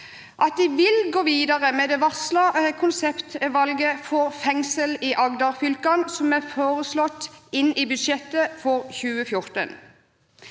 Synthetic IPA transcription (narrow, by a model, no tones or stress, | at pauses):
ʔɑt̪̚d̪ɪʋɪlɡoːʋiːd̪ɑʁəmeːd̪ɛʋɑʁslɑkʰʊnsɛpt̪ʋɑlɡəfɔʁfɛŋsəlɪʔɑɡd̪ɑʁfʏlkɑnsɔmæfoːʁəslɔt̪ːɪnɪbʉd̪ʃɛt̪ːəfɔʁçʉːəfjʊʁt̪ə̰n